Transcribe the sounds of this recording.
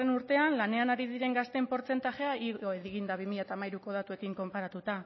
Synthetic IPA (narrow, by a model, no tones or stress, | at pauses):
enuɾt̪e̞anlane̞anaɾiðiɾe̞ŋɡast̪e̞mpo̞ɾt͡se̞nt̪aʝe̞aʔioeðiɣind̪aβ̞imiʎat̪aːmajɾuko̞ð̞at̪ue̞kiŋko̞mpaɾat̪ut̪a